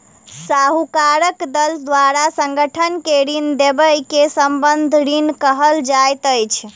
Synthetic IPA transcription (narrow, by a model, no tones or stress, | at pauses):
saɦukaɾəkd̪əld̪waɾasə̃ŋɡəʈʰənkeɾind̪ebəjkesəmbənd̪ʱɾinkəɦəld͡ʒajt̪əjt͡ʃʰ